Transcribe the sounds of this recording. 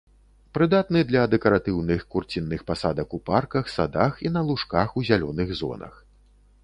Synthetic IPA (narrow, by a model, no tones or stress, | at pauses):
pɾɨd̪at̪nɨd̪lʲɐd̪ɛkɐɾat̪ɨwnɨxkurt͡sʲinːɨxpasad̪ɐkuparkɐxsad̪axinɐlˠuʂkaxuzʲalʲɔnɨɣzɔ̰nɐ̰x